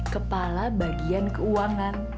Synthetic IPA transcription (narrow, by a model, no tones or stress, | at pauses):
kəpalabaɡiankəuaŋan